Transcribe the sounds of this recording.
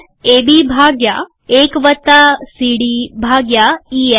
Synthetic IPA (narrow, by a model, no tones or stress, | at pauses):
eːbibʱaːɡja | eːkʋɐt̪asiːɽiːbʱaːɡjaiːe